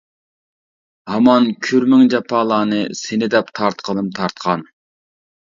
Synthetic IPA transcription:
hɑmɑnkʲʰyɾmɪŋd͡ʒɑpʰɑːlˠɑːnɨsɪnɪd̪ɛpt̪ʰɑɾt̪qʰəlˠɨmt̪ʰɑɾt̪qʰɑn

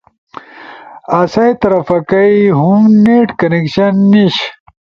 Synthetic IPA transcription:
ɐsɐjt̪ɐɾɐfɐkɐiɦumneʈkɐnekɕɐnːiɕ

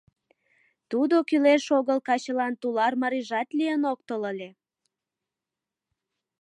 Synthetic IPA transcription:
t̪ud̪okyleʃoɣəlkɑt͡ɕəlɑnt̪ulɑrmɑɾiʒɑt̪lijənok̚t̪oləlʲe

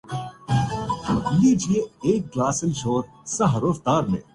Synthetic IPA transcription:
jeːd͡ʒieeːk̚ɡlaːsəlʃoːɾ | sɐɦɐɾoːft̪aːɾmḛ̃ː

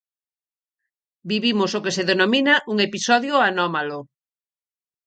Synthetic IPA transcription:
biβimosokeseðenominaʔuŋepisɔðjoanɔmalo

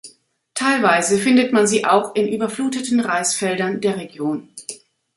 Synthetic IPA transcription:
tʰaɪlvaɪzəfɪndətmanziːʔaʊxɪnʔyːbɐfluːtətn̩ʁaɪsfɛldɐndeːɐʁeɡjoːn

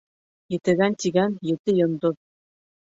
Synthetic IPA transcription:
jɘ̆t̪ɘ̆ɣænt̪ʲiɡænjɘ̆t̪ɘjɤ̆nd̪oð

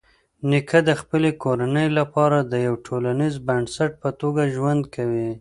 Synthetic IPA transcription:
nɪkʰəd̪əxpəlekoɾanəjlapɑɾad̪əjawʈʰolanizbaɳsaʈ̚pət̪oɡaʒwand̪kʰawi

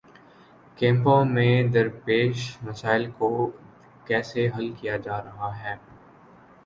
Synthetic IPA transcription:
kɛ̃ːmpõmẽd̪ɐɾpeːʃmɐsaːɪlko | kɛːseɦɐlkijad͡ʒaːɾɐɦaɦɛː

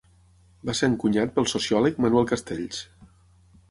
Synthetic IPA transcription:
baseɾəŋkuɲat̪̚pəlˠsusiɔlək̚manuwɛlˠkəst̪eʎs

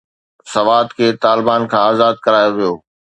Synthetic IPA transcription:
sɐʋaːd̪kʰeːt̪aːlɪbaːnkʰãaːzaːd̪̚kɐɾaːjoʋijoː

